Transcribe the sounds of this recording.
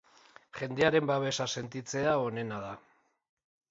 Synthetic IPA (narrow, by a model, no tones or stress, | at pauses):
χe̞nd̪eaɾe̞mbaβe̞sase̞nt̪it͡se̞ao̞ne̞naða